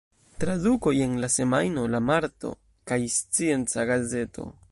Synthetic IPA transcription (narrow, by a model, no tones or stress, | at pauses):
tɾaduko̞je̞nlase̞majno̞lamaɾto̞̰ | kajst͡sie̞nt͡saɡaze̞tʰo̞̰